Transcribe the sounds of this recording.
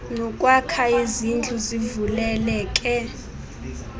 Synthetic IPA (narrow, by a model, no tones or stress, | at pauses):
nɔkʼwakʰaizind͡ɮʱuzivulɛlɛːkʼɛ